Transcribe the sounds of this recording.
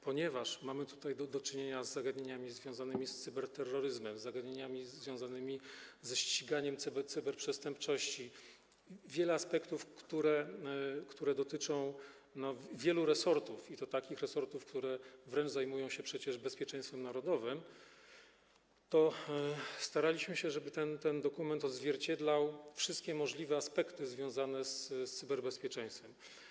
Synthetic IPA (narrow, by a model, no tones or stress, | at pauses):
pɔɲɛvaʂmamɘt̪u̥t̪ajd̪d̪ɔt͡ʂɘɲeɲazːaɡad̪ɲeɲamʲizvʲjɔ̃w̃zanɘmʲist̪sɘbɛɾt̪ɛrːɔɾɘzmɛmzːaɡad̪ɲeɲamʲizvʲjɔ̃w̃zanɘmʲizɛɕt͡ɕiɡaɲɛmt̪t̪sɨbɛɾpʂɛst̪ɛmpt͡ʂɔɕt͡ɕi | vʲjɛlɛaspɛkt̪ufkt̪uɾɛkt̪uɾɛd̪ɔt̪ɘt͡ʂɔ̃w̃ | nɔvʲjɛluɾɛsɔɾt̪ufit̪ɔt̪akʲixɾɛsɔɾt̪ufkt̪uɾɛvɾɛnt͡ʂzajmujɔ̃w̃ɕɛpʂɛt͡ɕɛʐbɛspʲjɛt͡ʂɛ̃j̃st̪fɛmnaɾɔd̪ɔvɘm | t̪ɔ | st̪aɾalʲiɕmɘɕɛʐɛbɘt̪ɛnt̪ɛnd̪ɔkumɛnt̪ɔd̪zvʲjɛɾt͡ɕɛd̪lawfʂɘst̪kʲɛmɔʐlʲivɛaspɛkt̪ɘzvʲjɔ̃w̃zanɛsst̪sɘbɛɾbɛspʲjɛt͡ʂɛ̃j̃st̪fɛm